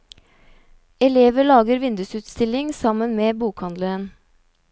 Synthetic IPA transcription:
ɛleːʋəɭɑːɡəɾʋɪnd̪ʉsʉːt̪st̪ɪlɪŋsɑmənmeːbuːkhɑnd̪ləɾən

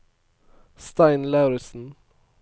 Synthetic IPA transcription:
st̪ɑɪnlɑʉɾɪsn̩

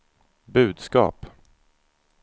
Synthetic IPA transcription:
bʉ̟ːd̪skɑ̰ːp

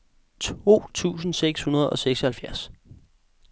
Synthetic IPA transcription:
t͡sʰo̝̰ːt͡sʰṵːsn̩seɡ̥shunɐð̞ˠɒ̽seɡ̥sɒhælfjæɐs

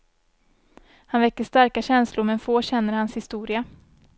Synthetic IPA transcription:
hanvɛkːəʂt̪aɾkaɕɛnslʊɾmɛnfoːɕɛnːəɾhanshɪst̪uːɾɪa

